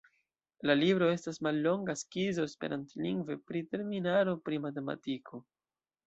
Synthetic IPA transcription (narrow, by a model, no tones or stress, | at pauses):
lalibɾo̞e̞stasmalːo̞ŋɡaskizo̞espe̞ɾʔantliŋɡve̞pɾite̞ɾminaɾo̞pɾimate̞ma̰tikʰo̞